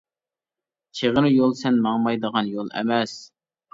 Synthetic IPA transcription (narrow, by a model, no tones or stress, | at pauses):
t͡ʃʰeʁəɾjolˠsɛnmɑŋmɑjd̪əʁɑnjolˠɛ̰mɛs